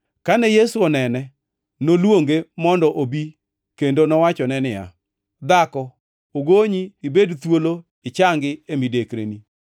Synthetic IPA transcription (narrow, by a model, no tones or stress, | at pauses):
kanɛjesuɔnɛnɛ | nolwoŋɡemɔndɔʔobi | kendonɔwat͡ʃɔnɛnɪja̰ | d̪akɔ | oɡoɲiːbedt̪wolo | ɪt͡ʃaŋɡɪemidekɾḛni